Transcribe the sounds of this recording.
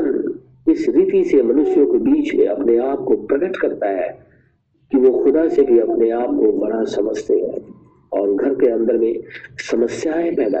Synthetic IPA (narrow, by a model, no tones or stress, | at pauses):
n | ɪsɾit̪isemɐnʊʃjõkebiːt͡ʃmḛ̃ɐpneaːp̚kopɾɐɡəʈkɐɾt̪aɦɛː | kiʋoxʊd̪asebʱiɐpneaːp̚kobɐɽasɐməd͡ʒʱt̪eɦɛ̰̃ː | ɔːɾɡʱɐɾkeɐ̃nd̪əɾmẽsɐməsjaːẽpɛɦd̪a̰ː